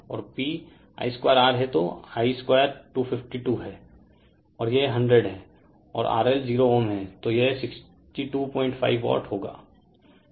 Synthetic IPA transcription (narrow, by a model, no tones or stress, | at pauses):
ɔ̰ːɾpiː | a̰ːiskwaːjɾaːɾɦɛt̪oaːiskwaːjəɾʈuːpʰɪfʈiʈuːɦɛː | ɔːɾjeɦɐ̃ɳɖɾeɖɦɛː | ɔːɾʔa̰ːɾelziːɾoʋənɦɛ̃ːt̪ojesɪks | ʈiʈuːpɔ̃ːɪ̃ɳʈfʰa̰ːɪʋːʋɔ̰ːʈɦoːɡa̰ː